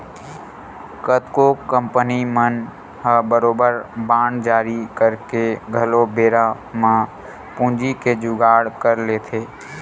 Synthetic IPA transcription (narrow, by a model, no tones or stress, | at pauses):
kət̪kokə̃mpənimən | ɦəbəɾoːbəɾbãːɳd͡ʒaːɾikəɾkeɡʱəlobeːɾa | mã | pũːd͡ʒiked͡ʒʊɡaːɽkəɾleːt̪ʰeː